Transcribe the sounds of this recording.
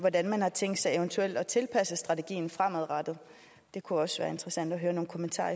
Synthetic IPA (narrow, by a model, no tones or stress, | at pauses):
ʋɒdænmænhɑ̈t͡sʰeŋ̰ɡd̥sɑ̈ɪent͡sʰuel̰d̥ɒ̽t͡sʰe̝lpʰæsəsd̥ʁɑ̈t͡sʰe̝ɡ̥ḭːn̩fʁam̰æðˠʁɑd̥ð̩ˠ | d̥e̝kʰuɒ̽sʋæːɐe̝nd̥ʁɐsæn̰d̥ɒɦøːɐno̝ːn̩kʰomənt͡sʰɑ̰̈ː